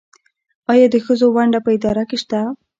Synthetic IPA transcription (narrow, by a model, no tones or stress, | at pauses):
ɑjɑd̪əxəzowaɳɖapəɪd̪ɑɾakeʃt̪a